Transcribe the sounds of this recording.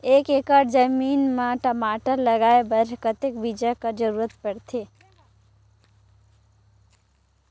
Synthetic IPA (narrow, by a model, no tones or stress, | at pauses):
ekekəɾd͡ʒəmiːnmaʈəmaʈəɾləɡaːebəɾkət̪ekbid͡ʒəkəɾd͡ʒəɾuːɾət̪pəɽt̪ʰe